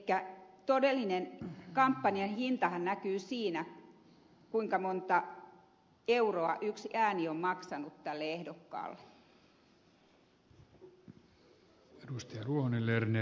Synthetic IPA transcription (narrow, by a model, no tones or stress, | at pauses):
kːæt̪odelːinenkɑmpːɑniɑnhint̪ɑhɑnnækyːsiːnæ | kuiŋkɑmont̪ɑ | euroɑ̰ʔyksiæːniommɑksɑnut̪tælːeehdokːɑ̰ːlːe | edust̪iɑruohonilːerne